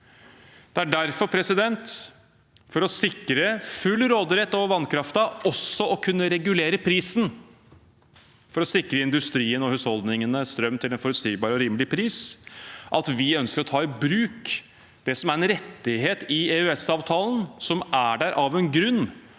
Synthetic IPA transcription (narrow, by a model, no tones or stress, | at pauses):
d̪̥ɛæɖæɾfɔɾpʰɾɛsɪd̪ɛnt̪ | fɔɾɔsɪkːɾəfʉlːɾoːd̪əɾɛt̪ːɔʋɑnkʰɾɑft̪ɑʔɔsːɔɔkʰʉnːəɾɛɡʉleːɾəpʰɾiːsn | fɔɾɔsɪkɾəɪnd̪ʉst̪ɾiːənɔhʉshɔld̪nɪŋənəst̪ɾœmːt̪ʰɪlɛnfɔɾʉt̪siːbɑːɾɔɾiːməlɪpʰɾiːs | ʔɑt̪ʋɪœnskəɾɔt̪ʰɑːɪbɾʉːk | d̪̥ɛsɔmæɾɛnɾɛt̪ːɪɦeːt̪ɪeʉɛsɑːʋt̪ʰɑːlənsɔmæɖæɾʔɑʋɛnɡɾʉnː